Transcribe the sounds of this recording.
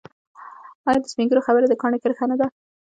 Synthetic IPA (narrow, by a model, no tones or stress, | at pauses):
ɑjɑd̪əspiŋɡəɾoxabəɾed̪əkɑɳekəɾxanad̪a